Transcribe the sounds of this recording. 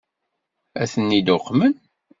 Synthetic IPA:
æθənːid̪oqːmən

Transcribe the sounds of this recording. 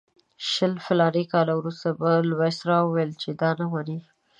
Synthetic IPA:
ʃəlfɪlɑɾikɑlawɾust̪abalwesɾɑwəwelt͡ʃed̪ɑnamani

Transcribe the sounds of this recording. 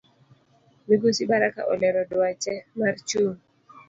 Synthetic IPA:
miɡusibaɾaka̰ʔɔ̰lɛɾɔdwat͡ʃɛmart͡ʃun

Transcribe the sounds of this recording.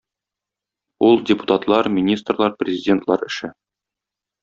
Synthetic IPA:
ulˠdʲɪpu̥t̪at̪lˠɑɾmʲinʲist̪rlˠɑɾprʲɪzʲɪdʲent̪lˠɑ̰ɾɘ̆ʃɘ

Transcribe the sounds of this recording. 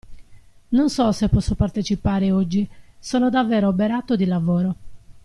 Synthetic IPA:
nonsɔsepːɔsːopart̪et͡ʃipaːɾeod͡ʒːisɔːnod̪avːɛːɾoːbeɾaːt̪od̪ilavɔːɾo

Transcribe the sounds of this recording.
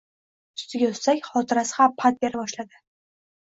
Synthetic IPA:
ʊ̥st̪ɪɡʲaɵssakʲχɒt̪ʰɪɾasɪ̥hampʰːat̪̚be̞ɾabɒʃlad̪ɪ

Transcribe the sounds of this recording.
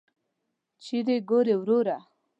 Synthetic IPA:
t͡ʃiɾeɡoɾewɾoɾa

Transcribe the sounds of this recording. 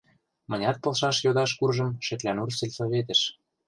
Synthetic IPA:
mɤ̆nʲɑt̪̚pɤ̆lʃɑʃjod̪ɑʃkurʒɤ̆mʃɘ̆t̪lʲænursĕlʲsoβet̪ə̆ʃ

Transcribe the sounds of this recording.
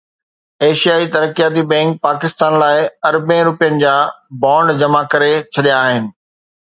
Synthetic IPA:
eːʃijaːit̪ɐɾəkijaːt̪̬ibɛ̃ːŋk̚paːkɪst̪aːnlaːɪɐɾbẽɾʊpijənɪ̆d͡ʑaː | bãːɳɖd͡ʑɐmakɐɾet͡ɕʰɐɗijaːɦɪnɪ̆

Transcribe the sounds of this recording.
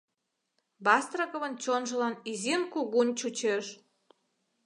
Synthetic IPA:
bɑst̪rəkŏβənt͡ɕonʒə̆lɑnizinkuɣunʲt͡ɕut͡ɕeʃ

